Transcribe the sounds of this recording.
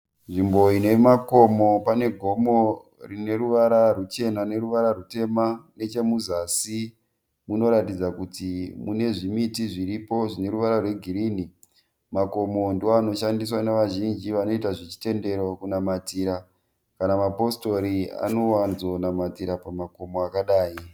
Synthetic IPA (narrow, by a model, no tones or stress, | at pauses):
ʐimbo̞ine̞mako̞mo̞pane̞ɡʱo̞mo̞ | rine̞ɾuʋaɾarut͡ʃe̞nane̞ɾuʋaɾarute̞mane̞t͡ʃe̞muzasi | muno̞ɾatid͡zakutimune̞ʐimitiʐiripo̞ʐine̞ɾuʋaɾarwe̞ɡʱiɾiːni | mako̞mo̞ndeano̞ʃandis̬waneʋaʒind͡ʒiʋano̞itaʐet͡ʃi̥te̞nde̞ɾo̞kunamatiːɾa | kanamapo̞sto̞ɾia̰no̞wanzo̞namatiɾapamako̞mo̞akaɗaːji